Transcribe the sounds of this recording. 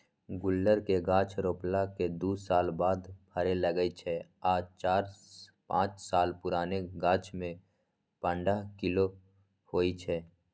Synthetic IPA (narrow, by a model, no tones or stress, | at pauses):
ɡʊlːəɾkeɡãːt͡ʃʰɾoːplaked̪uːsaːlbaːd̪bʱəɾeləɡəit͡ʃʰɛaːt͡ʃaːɾpã̰ːt͡ʃsaːlpʊɾaːneɡãːt͡ʃʰmẽ | pə̃ɳɖaɦkɪlo | hoːit͡ʃʰɛː